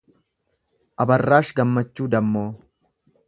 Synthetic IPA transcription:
ʔɐbɐrːaːʃɡɐmːɐt͡ʃːuːd̪ɐmːoː

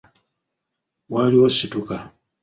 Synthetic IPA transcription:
waliwosituka

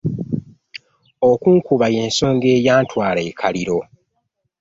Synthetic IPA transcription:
okuːŋkuβaje̞ːnso̞ːŋɡe̞ːjaːntwaːle̞ːkʰaliɾo̞

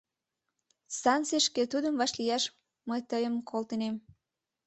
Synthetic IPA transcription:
sɑnt͡seʃket̪ud̪əmvɑʃlijɑʃ | məjt̪əjəmkʰolt̪ənem

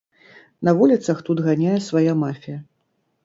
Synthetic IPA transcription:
nɐvulʲit̪sɐxt̪ud̪ɣanʲajɛsvajamafʲijɐ

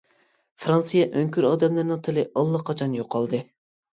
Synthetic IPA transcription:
fɾɑnsɨjɛʔøŋkʲyɾɑːd̪ɛmlˠɨɾnɨŋt̪ʰɨlɪʔɑlˠːɑqʰɑt͡ʃʰɑnjoqʰːɑlˠd̪ɨ

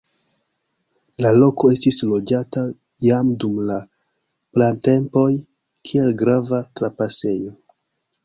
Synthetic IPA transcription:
lalo̞ko̞e̞stislo̞d͡ʒata | jamdumla | plante̞mpo̞j | kʰie̞lɡɾavatɾapase̞jo̞

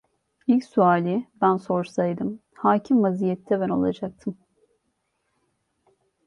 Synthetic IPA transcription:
ilʲcsuaːlʲibænso̞ɾsajd̪ɯm | haːcʰimvaziːjɛt̪ʰːɛbæno̞̰lˠa̰d͡ʒak̚t̪ʰɯm

